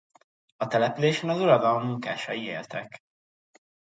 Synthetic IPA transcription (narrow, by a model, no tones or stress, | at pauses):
ɒt̪ɛlɛpyleːʃɛnɒzuɾɒd̪ɒlmːuŋka̰ːʃɒjieːlt̪ɛk